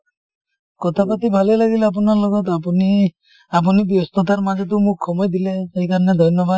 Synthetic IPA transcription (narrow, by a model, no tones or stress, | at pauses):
kɔt̪ʰapat̪ibʱalelaɡileap̬ɔnaɾlɔɡɔt̪apni | ap̬unibiɔst̪ɔt̪aɾmad͡ʒʱɔt̪̬umukkʰːɔmɔjd̪ilesejkaɾɔned̪ʱɔjnjɔba